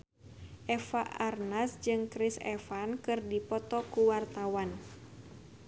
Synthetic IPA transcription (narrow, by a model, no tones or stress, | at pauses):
ʔɛfaʔarnasd͡ʒɨŋkɾisɛ̰fankɨrdipɔt̪ɔkuwart̪awan